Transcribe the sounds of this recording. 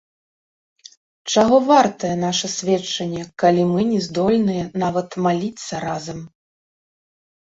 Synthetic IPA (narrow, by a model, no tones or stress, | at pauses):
t͡ʂaɣɔvart̪ɐjɛn̪aʂɐsʲvʲɛt͡ʂːɐnʲːɛkalʲimɨnʲɛzd̪ɔlʲnɨjɛnavɐt̪malʲit̪sːɐɾazɐm